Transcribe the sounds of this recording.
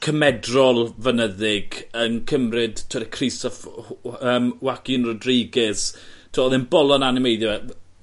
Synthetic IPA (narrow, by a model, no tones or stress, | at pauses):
kʰəmɛdrɔlˠvənəðɪɡənkʰəmrɪd̥tʰɔɾɛkʰrɪstɔfəːmwakinrɔdrejɡɪs | tʰɔðɪnbɔlˠɔnanɪmejðjɔɛ